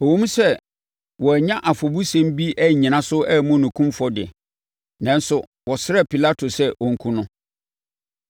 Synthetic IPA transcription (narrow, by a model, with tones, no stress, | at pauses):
ɔ˨wõ˦mũ˦sɛ˦ | wɔ˨æ˨ɲã˦ʔa˨fɔ˨bu˦sɛ̃˦m˦bi˦ʔæ˦˨ɲĩ˨nã˦sʊ˦ɛ˦mʊ̃˦˨nʊ̃˨kʰũ˦mfɔ˦dɪ̰˨ | nã˦n˦sʊ˨ | wɔ˨sɪ˦ɾɛ˦pʰi˨la˦tʰo˨sɛ˦ʔɔ˨ŋ̩˦kʰũ˦nʊ̃˦